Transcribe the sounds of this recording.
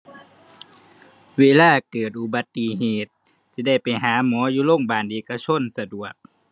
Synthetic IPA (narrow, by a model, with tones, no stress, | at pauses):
weː˧˥˨laː˧˥˩kɤː˨˩t̪̚ʔu˧˩ba˨˧˦t̪ːi˨heː˨˩t̪̚ː | iː˧˦da˥˩jpa˨˩jɦaː˨˦muː˨˦ɐjuː˧˦lo˥˨ŋbaː˨˩nʔeː˨˩ka˧t͡ɕʰo˧˥˨nsa˧du˨˩ək̚